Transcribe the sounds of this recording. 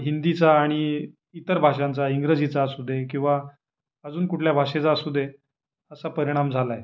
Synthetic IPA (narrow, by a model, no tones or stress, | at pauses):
ɦind̪it͡saːɽ̃i | it̪əɾbʱaʂant͡saiŋɡɾəd͡zit͡sasud̪ʱekĩw̃ʋa | əd͡zuːnkuʈʰljabʱaʂet͡sasud̪ʱe | əsapəɾiɽ̃amd͡zʱalae